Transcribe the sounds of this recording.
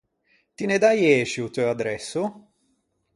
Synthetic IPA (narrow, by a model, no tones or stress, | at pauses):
t̪ined̪ajɛːʃut̪øad̪ɾɛsːʊ